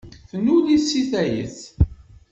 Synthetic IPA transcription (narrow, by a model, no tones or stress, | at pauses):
θənulisːiθæjə̰θ